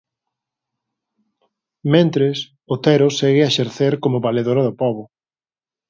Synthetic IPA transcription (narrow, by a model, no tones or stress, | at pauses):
mẽnt̪ɾɪs | ʊt̪ɛɾʊsɛɣɪaʃeɾθeɾkomʊβaleðoɾɐðʊpɔβʊ